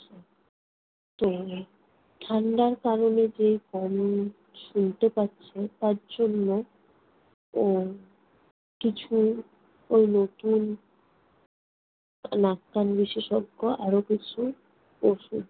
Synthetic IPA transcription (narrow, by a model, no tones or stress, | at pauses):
t̪o | ʈʰanɖaɾkaɾoned͡ʑejkɔm | ʃunt̪epatːɕʰet̪aɾd͡ʑonːo | kit͡ɕʰu | ojnot̪un | nakːanbiʃeʃɔɡːoaɾokit͡ɕʰu | poʃu